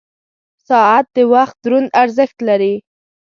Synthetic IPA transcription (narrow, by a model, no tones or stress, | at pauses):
sɑat̪̚d̪əwaxt̪̚d̪ɾunaɾzəxt̪laɾi